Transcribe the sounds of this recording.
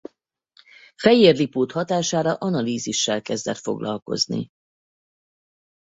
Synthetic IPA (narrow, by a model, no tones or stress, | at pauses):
fɛjeːrlipoːt̪hɒt̪aːʃaːɾɒʔɒnɒliːziʃːɛlkɛzd̪ɛt̪fo̞̰ɡlɒlko̞̰znḭ